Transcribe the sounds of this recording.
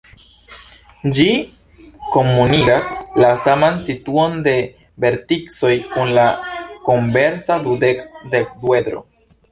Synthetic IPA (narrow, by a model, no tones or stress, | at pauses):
d͡ʒi | ko̞mːuniɡaslasamansituo̞nde̞ | be̞ɾtikso̞jkunlakombe̞ɾsadudekde̞k̚due̞d̪ɾo̞̰